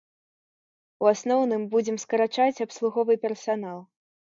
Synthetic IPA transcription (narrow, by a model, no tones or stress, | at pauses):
uasnɔwnɨmbud͡zʲɛmskɐɾat͡ʂat͡sʲapslˠuɣɔvɨpʲɛrsanalˠ